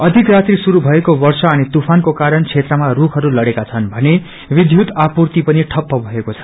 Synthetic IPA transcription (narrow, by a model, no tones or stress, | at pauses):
ʌd̪ʱikrat̪risuɾubʱʌekobʌrsʌʌnet̪upʰankokaɾʌnt͡sʰet̪rʌmarukʰɦʌɾulʌɽekat͡sʰʌnbʱʌne | bid̪ʱjud̪apurt̪ipʌniʈʰʌpːʌbʱʌekot͡sʰʌ̥